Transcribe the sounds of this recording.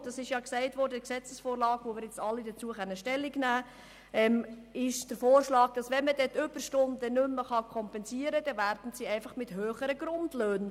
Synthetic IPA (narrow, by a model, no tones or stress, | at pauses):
d̥ɑsɪʃjɑːksɛɪtvɔɾdəksɛt͡səsfoːɾlɑːɡʋomɪːɾjɛt͡stɑlːidət͡suəχɛnːəʃtɛlːiɡnæː | ɛmɪʃd̥əɾfoːrʃlɑːɡ̥̚d̥ɑsʋɛnməd̥ɛt̪ʏb̥əɾʃtʊndənʏmːəχɑkʰɔmpɛnsiəɾəd̥̪ɛvæɾd̥n̩siːɛɪfɑχmɪthøːχəɾəɡ̥ɾʊndløːn